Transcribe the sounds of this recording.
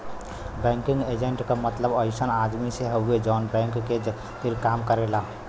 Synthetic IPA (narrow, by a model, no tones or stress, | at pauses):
bɛ̃ŋkiŋɡed͡ʒeɳʈkəmət̪ləbəɪsənad̪miseɦəɦued͡ʒɔnbɛ̃ŋkːe | t̪iɾkamkəɾela